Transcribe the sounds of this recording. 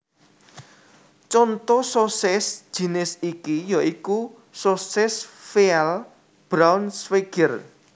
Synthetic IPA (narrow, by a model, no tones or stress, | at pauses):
t͡ʃɔnt̪ɔsosɪsʒ̥i̤nɪsikijɔʔiku | sosɪsfiɛl | b̥ɾawnsfeɡ̥ər